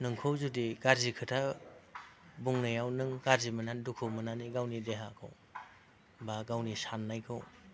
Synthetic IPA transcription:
nɯŋkʰowzudiɡaɾzikʰɯtʰa | buŋnɯjawnɯŋɡaɾzimɯnandukʰɯwmɯnaniɡawnideɦakʰɯ̰w | baɡawnisanːajkʰɯw

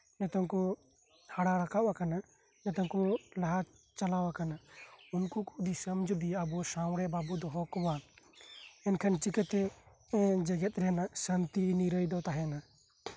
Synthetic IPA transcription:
nɛt̪ɔnkɔ | haɽaɾakawakana | nɛt̪ɔnkɔlaɦa | t͡ʃalawakanaunkukud̪isəmd͡ʒʱbiabɔsawɽɛbabud̪ɔɦɔkɔwa | ɛnkʰənt͡ʃikət̪ɛ | d͡ʒɛɡɛt̪̚ɾɛnasant̪iniɾəjd̪ɔt̪aɦɛna

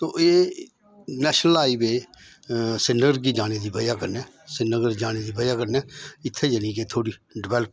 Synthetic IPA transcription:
t̪oːʔeː | nɛːʃnəlaːiːbeː | sɪnəɡəɾɡiːd͡ʒaːneːd̪iːbəjaːkəɾnɛː | sɪnəɡəɾd͡ʒaːneːd̪iːbəjaːkəɾnɛːɪt̪ʰːeːd͡ʒənĩːkeːt̪ʰoːɽiːɖɪʋɛːləp̚

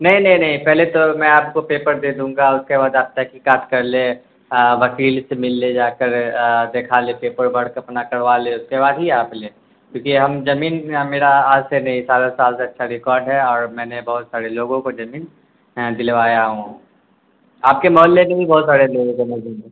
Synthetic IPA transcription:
nɐɦĩnɐɦĩnɐɦĩpɛɦlet̪omɛ̃aːp̚kopeːpəɾd̪ed̪ũːŋɡaʊskebaːd̪aːp̚t̪akikaːʈʰkɐɾle | ʋɐkiːlsemɪlːed͡ʒaːkəɾd̪eːkʰalepeːpəɾbɐɽ̤kɐpnakɐɽʋaleʊskebaːd̪ɦiaːpleː | kjõːkiɦɐmd͡ʒɐmiːnmeːɾaaːd͡ʒsenɐɦĩsaːlosaːlseɐtːʃʰaɾɪkɔːɾɖɦɛɔːɾmɛ̃ːnebɐɦʊt̪saːɾeloːɡõkod͡ʒɐmiːn | d̪ɪlʋaːjaɦũ | aːp̚kemɔːlːemebibɔɦːt̪saːɾeloːɡõkomɐd͡ʒĩe

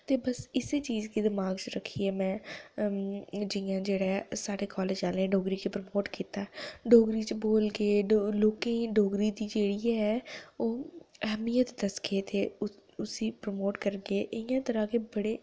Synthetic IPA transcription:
t̪eːbəsɪseːt͡ʃiːzk̪iːd̪ɪmaːɡt͡ʃəɾəkʰːiːɛːmɛ̃ː | d͡ʒɪjãːd͡ʒeːɽɛːsaːɽeːkɔːleːd͡ʒaːlneːɖoːɡɾiːkepɾəmoːʈkiːt̪aːɖoːɡɾiːt͡ʃboːlɡeːloːkẽːɖoːɡɾiːd̪iːd͡ʒeːɽiːɛɛːoːɛɦmijət̪d̪əsɡeːt̪eːʊsiːpɾəmoːʈkəɾɡeːʔɪjãːt̪əɾãːkeːbəɽeː

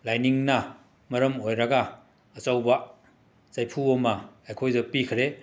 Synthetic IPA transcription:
lajniŋnɐ | mɐɾɐmojɾɐɡɐː | t͡ʃɐwbɐ | zajpʰuomɐajkʰojzɐpikʰɾe

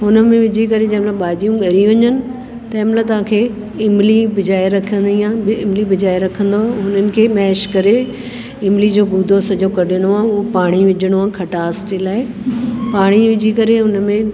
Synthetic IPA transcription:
ɦʊnəmẽʋɪd͡ʑʱikɐɾed͡ʑɐ̃ːmlaɓaːd͡ʑijũɠɐɾiʋɐɲənɪ̆ | t̪ɐɪ̃mlat̪ɐʋ̤ãːkʰeː | ɪmlibɪd͡ʑaːiɾɐkʰə̃nd̪iãːɪmlibɪd͡ʑaːiɾɐkʰə̃nd̪oaɦʊnənɪ̆kʰeːmɛːʃkɐɾe | ɪmlid͡ʑoːɡuːd̪ʱosɐd͡ʑokɐɗʱɪɽ̃oãːʊɦopaːɽ̃iʋɪd͡ʑʱəɽ̃oãːkʰɐʈaːselaːɪpaːɽ̃iʋɪd͡ʑʱikɐɾeɦʊnəmẽ

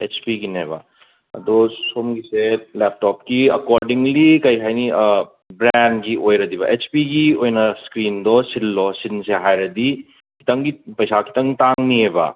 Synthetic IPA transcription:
et͡ʃpiɡinebɐ̰ | ɐ̰d̪ɔsomɡiselep̚tɔp̚kiɐkɔɾdiŋlikɐjɦajni | bɾenɡiojɾɐdiβɐ̰ʔet͡ʃpiɡiojnɐskɾindɔsilːɔsinseɦajɾɐdi | kʰi̥tɐŋɡipɐjsakʰi̥tɐŋtaŋniebɐ̰

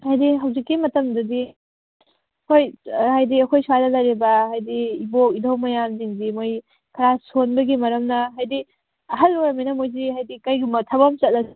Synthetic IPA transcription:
hajdiɦɐwzikːimɐtɐmdɐdi | ɐkʰojhajdiɐkʰojswalɐlɐjɾibɐhajdiːbok̚idɐwmɐjamziŋzimoj | kʰɐɾasonbɐɡimɐɾɐmnɐɦajdi | ɐɦɐlːoɾɐmajnɐmojzihajdikajɡimɐtʰɐbɐmt͡ʃɐt̚lɐ

